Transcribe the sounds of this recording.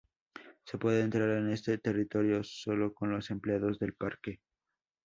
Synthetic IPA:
se̞pwe̞ðeːnt̪ɾaɾe̞ne̞st̪e̞t̪e̞rit̪o̞ɾjo̞so̞lo̞ko̞nlo̞se̞mpleaðo̞zðe̞lpaɾke̞

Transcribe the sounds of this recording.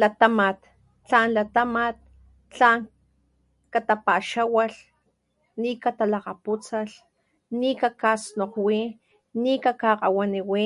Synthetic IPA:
lat̪amat̪ | t͡ɬanlat̪amat̪̚ | t͡ɬaːŋ | kat̪apaʃawaɬ | nikat̪alaqaput͡saɬ | nikakasnoqwi | nikakaqawaniwi

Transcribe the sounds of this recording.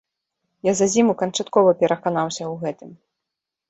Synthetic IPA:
jazazʲimukɐnt͡ʂat̪kɔvɐpʲɛɾʔɐkanawsʲɐwɣɛt̪ɨm

